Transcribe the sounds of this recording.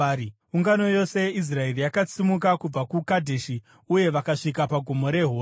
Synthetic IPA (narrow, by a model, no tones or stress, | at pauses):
uŋɡano̞jo̞se̞is̬rae̞rijakat͡simuk̬akub͡vakukadʱeʃi | uje̞ʋakaʂikapaɡʱomo̞ɾe̞ɦoː